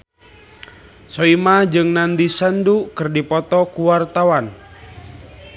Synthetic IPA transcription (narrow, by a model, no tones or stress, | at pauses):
soimad͡ʒɨŋnand̪isəndukɨrdipɔt̪ɔkuwart̪awan